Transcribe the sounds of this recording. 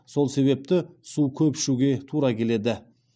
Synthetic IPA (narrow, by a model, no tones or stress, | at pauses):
so̞lˠse̞βe̞p̚t̪ɪsukʲʰɵpʃuɡʲe̞t̪ʰuɾɑkʲʰe̞le̞d̪ɪ